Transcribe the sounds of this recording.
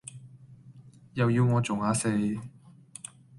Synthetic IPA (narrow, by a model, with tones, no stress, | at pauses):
jɐ˨wjiː˧wŋɔː˨˧t͡so˨wŋaː˨˧se˧j